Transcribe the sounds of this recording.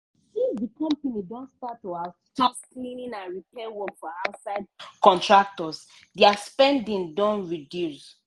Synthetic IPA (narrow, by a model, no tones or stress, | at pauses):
sifdikɔ̃mpanidɔ̃ntstatːoa | tɔsklĩnĩnãnɹipɛwɔ̃fɔ̃aʊtsaɪd̚kɔ̃ntɹak̚tɔs | dɛaspɛ̃ndĩndɔ̃nɹidjus